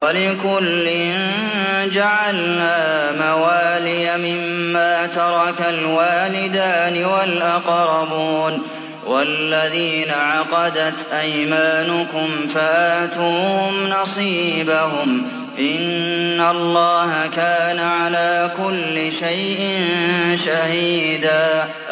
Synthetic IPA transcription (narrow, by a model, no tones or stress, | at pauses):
walɪkʊlːɪnn | d͡ʒaʕalnaːmawaːlɪjamɪmːaːt̪ɑɾˤɑkalwaːlɪd̪aːnɪwalʔɑqɾˤɑbuːn | walːaðiːnaʕɑqɑd̪at̪ʔajmaːnʊkʊmfaʔaːt̪uːhʊmnɑsˤiːbaɦʊm | ʔɪnːalˤːɑːhakaːnaʕalaːkʊlːɪʃajʔɪnnʃahiiːd̪aː